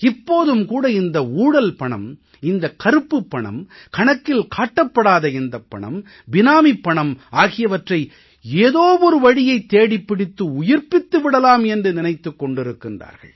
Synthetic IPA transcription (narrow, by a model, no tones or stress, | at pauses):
ɪpːoːðɯmkuːɽɐɪnd̪ɐuːɽɐlpɐɳɐ̰m | ɪnd̪ɐkɐɾɯpːɯpːɐɳɐ̰mkɐɳɐkːɪlkaːʈːɐpːɐɽaːðɐɪnd̪ɐpːɐ̰ɳɐ̰m | bɪnaːmipːɐɳɐmaːɣɪjɐʋɐʈrɐɪ | eːðoːʋɔɾɯʋɐɽɪjɐɪt̪ːeːɽɪpːɪɽɪt̪ːɯʊjɪɾpɪt̪ːɯʋɪɽɐlaːmɛndrɯnɪnɐɪt̪ːɯkːɔɳɖɪɾɯkːɪndra̰ːɾɣɐ̰ɭ